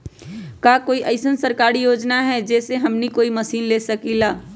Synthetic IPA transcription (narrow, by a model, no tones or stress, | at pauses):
kaːkoːiʔɐɪsənsɐɾkaːɾijoːd͡ʒnaɦɛd͡ʒɛːseɦɐmnikoːimɐsiːnleːsɐkilaː